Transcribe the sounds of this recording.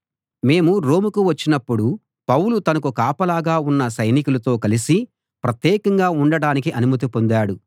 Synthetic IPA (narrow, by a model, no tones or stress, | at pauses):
me̞ːmuɾo̞ːmukuʋɐt͡ʃːinɐpːuɽu | pɐwlut̪ɐnɐkukaːpɐlaːɡaːunːɐsɐjnikulɐt̪o̞ːkɐlisi | pɾɐt̪jɛːkɐŋɡaːuɳɖɐɽaːnikiʔɐnumɐt̪̬ipo̞nd̪aːɽu